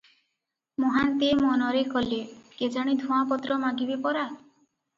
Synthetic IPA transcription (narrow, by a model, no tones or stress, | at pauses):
mɔɦant̪imɔnɔɾekɔleked͡ʒaɽ̃id̪ʱũapɔt̪ɾɔmaɡibepɔɾa